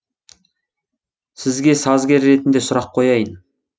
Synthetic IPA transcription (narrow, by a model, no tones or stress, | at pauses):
sɪzɡʲe̞sɑzɡʲe̞ɾːe̞t̪ɪnd̪e̞sʊɾɑqʰːo̞jɑjən